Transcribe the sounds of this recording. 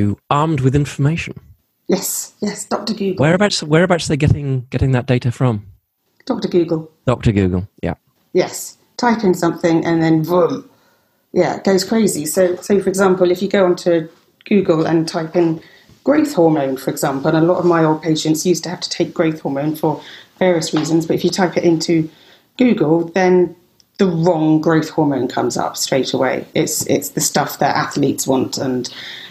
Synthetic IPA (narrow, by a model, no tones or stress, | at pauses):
ʉɑɹmd̚wɪðɪ̃ɱfəmeɪʃə̃n̩ | jɛsjɛsd̥ɒk̚təɡʉːɡəɹəbaʊtswəɹəbaʊtsðəɡɛɾɪ̃ŋɡ̥ɛɾɪ̃ŋðəʔ̚d̥eɪɾəfɹʌ̃m | d̥ɒk̚təɡʉːɡəlˠd̥ɒk̚təɡʉ̰ːɡəl̩ˠjæ̰p̚ | jɛs | tʰaɪpɪ̃nsʌ̃mθɪ̃ŋʔə̃nðə̃nvʊm | jæɪ̰ʔ̚ɡ̥oʊz̥kʰɹ̥eɪzisoʊsoʊfə˞ɨɡzɑ̃mpəlˠɨfjɨɡoʊə̃ntʰəː | ɡ̥ʉːɡələ̰̃ntʰaɪpɪ̃n | ɡ̥ɹəʊθhɔːmə̃ʊ̃nfəɹɪɡzɑ̃ˑmpəl̩ˠə̃nəlɒtəvmaɪoʊlˠd̚pʰeɪʃə̃ntsjʉˑstʰəhaftʰə̥tʰeɪk̚ɡ̥ɹəʊθhɔːmə̃ʊ̃nfəv̥ɛːɹiəsɹiːzə̃nzbʌtɪfjətʰaɪpɪtɪ̃ntʰʉ | ɡ̥ʉːɡəlˠðə̃n | ðəɹɒ̃ŋɡɹəʊθhɔːmə̃ʊ̃nkʰʌ̰̃mzʌ̰pstɹ̥eɪtʰəwḛɪʔɪ̰tsɪ̰tsðəstʌfðə̰ta̰θliˑtswɒ̃ntʰə̃n